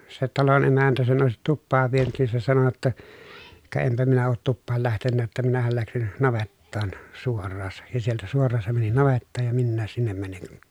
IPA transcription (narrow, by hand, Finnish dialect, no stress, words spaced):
se tɑlon emæntæ sen oˑesit tupːɑːʋ ʋienyt nin se sɑno jotːɑ kɑ empæ minæ oːt tupːɑːl læhtenːæː tːæ minæhæl læksin nɑʋetːɑːn suorːɑːsɑ jɑ sieltæ suorˑɑːn se mæni nɑʋetːɑːj jɑ minːæːs sinːem mæniŋ kun̥